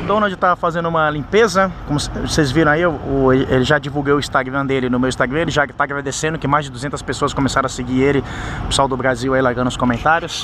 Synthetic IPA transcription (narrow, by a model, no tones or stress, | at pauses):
d̪õnod͡ʒɪt̪afazẽnd̪ʊũmɐlĩpezɐkõmʊssezviɾɐ̃aiʊelɪelɪʒad͡ʒivuwɡewʊist̪aɡɾɐ̃d̪elɪnʊmewist̪aɡɾɐ̃elɪʒat̪aːɡɾad̪esẽnd̪ʊkɪmajzd͡ʒɪd̪uzẽnt̪ɐ̥spesoɐskõmesaɾɐ̃aseɡielɪpe̥sawd̪ʊbɾaziwailaɾɡɐ̃nʊ̃ʊskõmẽnt̪aɾjʊs